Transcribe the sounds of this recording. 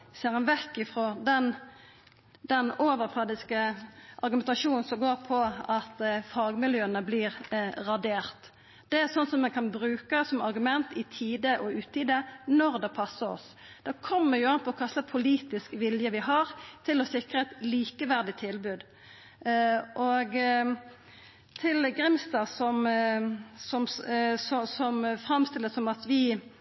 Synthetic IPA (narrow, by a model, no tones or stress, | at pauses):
seːɾɛnʋɛkːɪfʁɔd̪ɛn | d̪ɛnoːʋəɾfʰɑd̪ɪskəʔɑɾɡʉmɛnt̪ɑʃuːnn̩sɔmɡoːʁpʰɔɑt̪fɑːɡmɪljøːənəbliːʁʁɑd̪eːʁt̪ | d̪̥ɛæʁsɔnsɔmːɛnkʰɑnbɾʉːkəsɔmɑɾɡʉmɛnt̪ɪt̪ʰiːd̪əʔɔʉːt̪ːiːd̪ənɔʁd̪ɛpʰɑsːəɾɔ̰s | d̪̥ɑːkʰɔmːəɾjʊɑnp̪ʰɔɔkʰɑst̪əpʰʊliːt̪ɪskʋɪljəʋɪɦɑʁt̪ʰɪlɔsɪkɾəɛt̪liːkəʋæʁd̪ɪt̪ʰːɪlbʉːd̪ | ʔoɡ | t̪ʰɪlɡʁɪmst̪ɑːsɔm | sɔmsɔsɔmfɾɑmst̪ɪlːəsɔmɑt̪ʋɪ